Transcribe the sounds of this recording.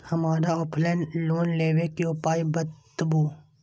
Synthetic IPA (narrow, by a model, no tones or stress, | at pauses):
hɐmaːɾaɔːpʰlɛːnloːnleːʋekiopaːibət̪ːbuː